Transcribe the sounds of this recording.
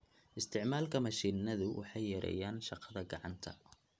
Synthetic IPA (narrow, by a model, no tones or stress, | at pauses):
ʔɪst̪ʰɪʕmaːlkʰɐmɑʃiːnɐðʊwʔɑ̰ħɑjːɐɾɛ̰jaːnʃɑqɑ̥ðɐɡɑʕɑnt̪ʰɐ